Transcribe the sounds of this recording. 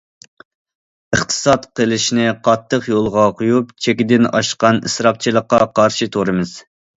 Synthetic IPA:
əχt̪ʰɨ̥sɑt̪qəlˠɨʃnɪqʰɑt̪ʰːəqjolˠʁɑqʰujup̚t͡ʃʰekʲɪd̪ɪnɑ̰ʃqɑnɨ̰sɾɑp̚t͡ʃʰilˠəqːɑqʰɑɾʃit̪ʰoɾɨmɨz̥

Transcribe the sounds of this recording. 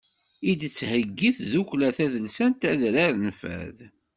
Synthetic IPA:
id̪t͡sːhəɡːiθðuklæθæðəlsænt̪æðɾaɾənfæ̰ð

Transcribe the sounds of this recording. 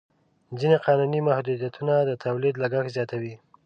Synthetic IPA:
d͡zineqɑnunimahd̪ud̪jat̪ʰunad̪ət̪ʰawlid̪laɡaxzjɑt̪awi

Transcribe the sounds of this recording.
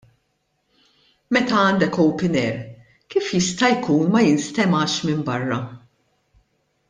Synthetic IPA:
mɛt̪ɐɐːnd̪ɛkɔwpɪnɛɾ | kiːfjɪst̪ɐjkuːnmɐjɪnst̪ɛmɐːʃmɪmbɐrːɐ

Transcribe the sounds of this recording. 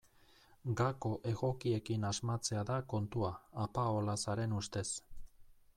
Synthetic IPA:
ɡako̞ʔe̞ɣo̞kie̞kinazmat͡se̞aðako̞nt̪uaːpao̞lasaɾe̞nust̪e̞s

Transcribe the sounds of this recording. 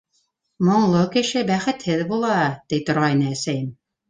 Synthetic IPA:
mŏɴlˠokɘ̆ʃɘbæχɘ̆t̪hɘðbulˠɑt̪ijt̪ŏɾʁɑjnɑæsæjɘm

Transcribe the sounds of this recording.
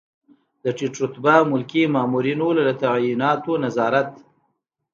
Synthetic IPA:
d̪̥əʈiʈɾʊt̪bamʊlkimɑːmuɾinolalat̪aʕjinɑːt̪onazɑːɾat̪

